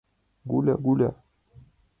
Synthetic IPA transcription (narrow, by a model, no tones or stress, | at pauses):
ɡulaɡula̰